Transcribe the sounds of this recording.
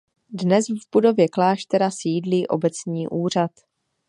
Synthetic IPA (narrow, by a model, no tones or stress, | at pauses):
dnɛsvbudo̞vjɛklaːʃt̪ɛɾasiːdliːʔo̞̰bɛt͡sɲiːʔuːr̝at̪